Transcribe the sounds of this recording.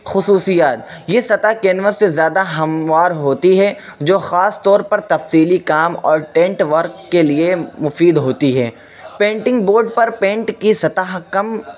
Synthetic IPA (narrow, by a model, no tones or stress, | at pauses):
xʊsuːsijaːt̪jesɐt̪aːkeːnʋəɾsezjaːd̪aɦɐmʋaːɾɦoːt̪iɦɛd͡ʒoːxaːst̪ɔːɾpɐɾt̪ɐfsiːlikaːmɔ̰ːɾʈɛ̃ːɳʈʋɐɾkːeliemʊfiːd̪ɦoːt̪iɦɛː | pẽːɳʈɪ̃ŋɡboːɾɖpɐɾpẽːɳʈkisɐt̪aɦkɐm